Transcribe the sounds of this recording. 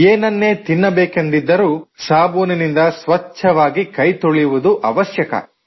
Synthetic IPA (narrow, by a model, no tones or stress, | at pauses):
eːnɐnːe̞ːt̪inːɐbeːkend̪id̪ːɐɾuːsaːboːninind̪ɐsʋɐt͡ʃʰːɐʋaːɡikɐjt̪oɭijuʋud̪uʔɐ̰ʋɐʃjɐkɐ̰